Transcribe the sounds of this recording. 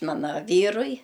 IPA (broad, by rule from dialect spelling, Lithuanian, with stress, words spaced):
ˈmɑːnɐ ˈʋʲiːrʊɪ